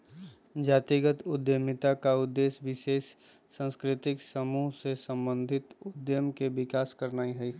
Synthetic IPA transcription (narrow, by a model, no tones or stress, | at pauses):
d͡ʒaːt̪iɡət̪ʊd̪jəmɪt̪akaʊd̪ːeːʃʋɪʃeːʃː | ə̃nskɾɪt̪ɪksəmuːɦsesə̃mbə̃nd̪ʱɪt̪ʊd̪jəmkeʋɪkaːskəɾnaːiɦɛi